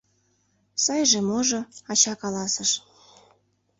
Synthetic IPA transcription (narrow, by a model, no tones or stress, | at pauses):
sɑjʒĕmoʒoɑt͡ɕɑkɑlɑsəʃ